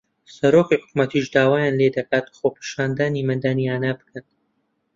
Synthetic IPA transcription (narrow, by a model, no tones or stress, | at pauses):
sɐɾoːkiħʊ̥kmɐt̪iːʃd̪aːwaːjaːnled̪ɐkaːt̪xoːpʰiːʃaːnd̪aːnimɐnd̪aːniaːnaːbɨ̥kʰɐn